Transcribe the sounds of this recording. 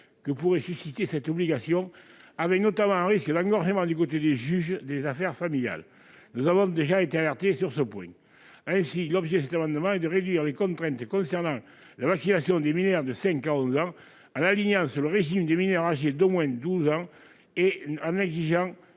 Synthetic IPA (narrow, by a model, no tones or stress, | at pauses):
kəpuʁesysit̪esɛt̪ɔbliɡasjɔ̃avɛknot̪amɑ̃ɛ̃ʁiskəd̪ɑ̃ŋɡɔʁʒəmɑ̃d̪ykot̪ed̪eʒyʒd̪ezafɛʁfamilja̰l | nuzavɔ̃d̪eʒaet̪ealɛʁt̪esyʁsəpwɛ̃ | ɛ̃silɔbʒed̪əs̬ɛt̪amɑ̃nd̪əmɑ̃ɛd̪əʁed̪ɥiʁlekɔ̃nt̪χɛ̃nt̪əkɔ̃sɛʁnɑ̃ | lavaksinasjɔ̃d̪eminœʁd̪əsɛ̃ŋkaɔ̃zɑ̃ | ɑ̃naliɲɑ̃syʁləʁeʒimd̪eminœʁaʒed̪omwɛ̃d̪uzɑ̃ | eɑ̃nɛɡziʒɑ̃